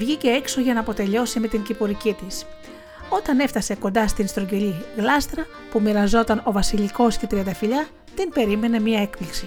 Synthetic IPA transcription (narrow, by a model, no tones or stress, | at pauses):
vʝice̞ekso̞ʝɐnɐːpo̞t̪e̞ʎo̞sime̞t̪iɲcipoɾicit̪is | o̞t̪ɐne̞ft̪ɐse̞ko̞nd̪ɐst̪inst̪ɾoɲɟe̞liɣlɐst̪ɾɐ | pumiɾɐzo̞t̪ɐno̞vɐsiʎiko̞st̪et̪ɾiɐnd̪ɐfiʎɐ | t̪inbe̞ɾime̞ne̞miɐe̞kpliksi